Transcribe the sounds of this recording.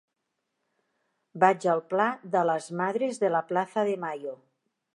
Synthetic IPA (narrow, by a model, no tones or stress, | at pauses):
bad͡ʒəlˠplaðələzmaðɾezðəlaplaθəðemajo